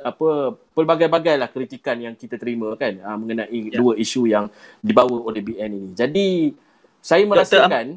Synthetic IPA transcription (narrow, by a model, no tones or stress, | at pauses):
apəpəlbaɡajbaɡajlahkɾit̪ikanjaŋkit̪at̪əɾimãkanəmə̃ŋənãʔiduəiʃujaŋdibawəolebiɛninĩd͡ʒadi | sajamə̃ɾaskan